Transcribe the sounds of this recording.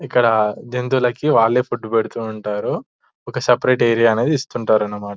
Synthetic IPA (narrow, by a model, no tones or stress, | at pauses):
ikːɐɽɐd͡ʒent̪ulɐkiʋaːɭːeːpʰuʈːubeɽut̪uːɳʈaːɾu | ɔkɐsɐpɾeːʈeːɾijaːɐne̞ːd̪iist̪uɳʈaːɾɐnːɐmaːʈɐ